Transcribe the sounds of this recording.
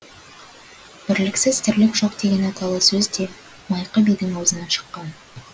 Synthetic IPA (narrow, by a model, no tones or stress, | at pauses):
b̥ɪɾlɪksɪz̥t̪ʰɪɾlɪpʒo̞q̚d̪e̞ɡʲe̞nɑt̪ɑlˠəsɵzd̪e̞ | mɑjqəbijd̪ɪŋɑwzənɑʃə̥qːɑn